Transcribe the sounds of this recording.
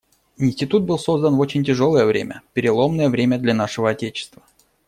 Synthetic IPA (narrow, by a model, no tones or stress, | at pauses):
ɪnʲsʲtʲɪt̪ut̪̚bɨlˠso̞zd̪ənvot͡ɕɪnʲtʲɪʐo̞lˠəjəvɾʲḛmʲə̰pʲɪɾʲɪlˠo̞mnəjəvɾʲemʲəd̪lʲanaʂɨvəɐtʲet͡ɕɪ̥st̪və